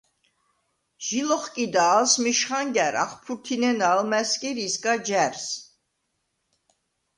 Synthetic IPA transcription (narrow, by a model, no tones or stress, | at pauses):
ʒ̥ilɔχkʼid̪aːlsmiʃχaŋɡɛɾa̰χpʰuɾt̪ʰinɛnalmɛskʼiɾiskʼad͡ʒɛɾs